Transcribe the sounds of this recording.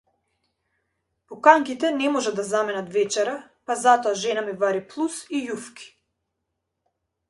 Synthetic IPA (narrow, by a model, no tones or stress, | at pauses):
pɔkaŋkit̪ɛnɛmɔʒad̪d̪azamɛnat̪vɛt͡ʃɛɾa | pazat̪ɔaʒɛnamivaɾiplˠusijufkʰi̥